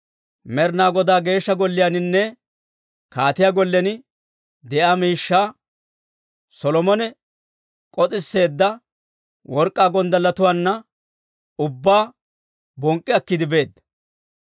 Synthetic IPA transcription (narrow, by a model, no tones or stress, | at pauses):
mɛɾnaːɡɔd̪aːɡe̞ːʃːɐɡɔlːɪjanɪnːɛ | kaːt̪ɪjaɡɔlːɛnɪ | d̪ɛʔaːmiːʃːaː | sɔlɔmɔnɛ | kʼɔt͡s̪ʼɪsːe̞ːd̪ːɐ | wʔɔɾkʼːaːɡɔnd̪ɐlːɐt̪ʊwaːnːɐ | ʊbːaː | bɔŋkʼːɪɐkːɪd̪ɪbe̞ːd̪ɐ